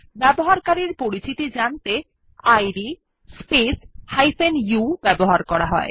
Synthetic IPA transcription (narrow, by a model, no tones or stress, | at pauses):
bɛboɦaɾkaɾiɾpoɾit͡ɕit̪id͡ʑant̪e | ajɖi | speshajfenjubɛboɦaɾkɔɾaɦɔ̰e